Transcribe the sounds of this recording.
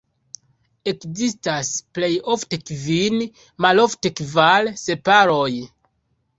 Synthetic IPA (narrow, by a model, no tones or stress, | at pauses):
e̞kzistasple̞jo̞fte̞kvin | malo̞fte̞kvalse̞paɾoj